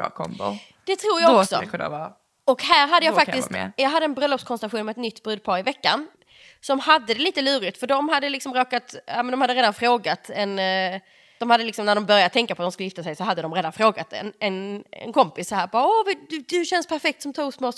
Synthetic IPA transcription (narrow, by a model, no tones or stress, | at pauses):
kʰɔ̰mbʊ̰ | d̪̥ɛt̪ʰɾuːɾjaɔksɔ̰ | ɔkhæːɾɦad̪ːəjaːfak̪ɪst̪jɑːɡad̪ːəɛnbɾœlːɔpskʰɔnsɾaɧuːnmɛt̪nʏt̪ːbɾʉd̪̚pʰɑːɾɪvɛkːan | sɔɔɔmhad̪ːəd̪ɛliːt̪əlʉ̟ːɾɪt̪fœɖɔmɦad̪ːəlɪksɔmɾoːkat̪aːmɛnd̪ɔmhad̪ːəɾeːd̪anfɾoːɡat̪ɛn | d̥̪ɔmhad̪ːəlɪksɔmnæɖɔmbœɾjatt̪ʰɛŋkːapʰɔt̪d̪ɔmskɵljɪft̪asɛjsɔɦad̪ːəd̪ɔmɾeːd̪anfɾoːɡat̪ɛ̰nɛnɛ̰nkʰɔmpɪsːɔhæːɾbɑːɔvd̪d̪ɵɕɛnspʰæɾfɛk̚t̪sɔmt̪ʰɑːɡpsmoː